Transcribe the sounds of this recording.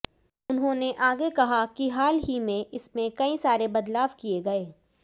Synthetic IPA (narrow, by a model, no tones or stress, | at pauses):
ʊnɦõːneʔaːɡekɐɦakiɦaːlɦimẽʔɪsmẽkɐisaːɾebɐd̪laːʋkieɡɐeː